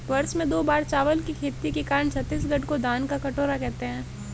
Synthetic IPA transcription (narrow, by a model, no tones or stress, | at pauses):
ʋɐɾsmẽd̪oːbaːɾt͡ʃaːʋəlkikʰeːt̪ːikekaːɾəɳt͡ʃʰɐt̪ːis̬ɡɐɖkod̪aːnkakɐʈoːɾakɛɦt̪eɦɛ̃ː